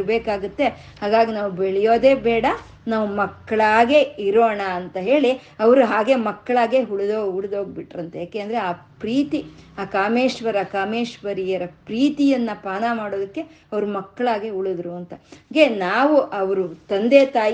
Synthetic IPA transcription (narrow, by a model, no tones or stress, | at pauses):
beːkaːɡut̪ːe | haːɡaːɡinaːʋubeɭɛjoːd̪e̞ːbɛːɽɐ | naːʋumɐkːɐɭaːɡe̞iɾoːɳaːnt̪ɐɦe̞ːɭi | ɐʋɐɾuɦaːɡe̞mɐkːɐɭaːɡe̞ɦuɭud̪oːuɭd̪oːɡ̚biʈːɾɐnt̪ɐjaːkeːnd̪ɐɾeaːpɾiːt̪iaːkaːmeːʃʋɐɾakaːmeːʃʋɐɾijɐɾɐpɾiːt̪ijɐnːɐpaːnamaːɽoːd̪ɐkːe̞ | ɐʋɐɾumɐkːɐɭaːɡeuɭud̪ɾuɐnt̪ɐɡenaːʋuʔɐʋɐɾut̪ɐnd̪eːt̪aːj